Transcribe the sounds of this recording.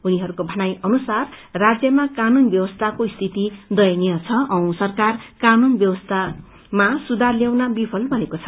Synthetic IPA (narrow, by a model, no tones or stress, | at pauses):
uniɦʌɾukobʱʌnajʌnusarːad͡zjʌmakanunbjʌwʌst̪ʰakoist̪ʰit̪id̪ʌjʌnijʌt͡sʰʌʔʌ̃w̃sʌrkarkanunbjʌwʌst̪ʰa | masud̪arljawnabipʰʌlbʱʌnekot͡sʰʌ